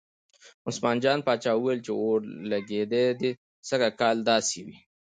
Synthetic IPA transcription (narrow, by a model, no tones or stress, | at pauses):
ʊsmɑːnd͡ʒɑːnpɑːt͡ʃɑːuwelt͡ʃeoɾlaɡed̪ed̪e | səɡakɑːld̪ɑːsiwi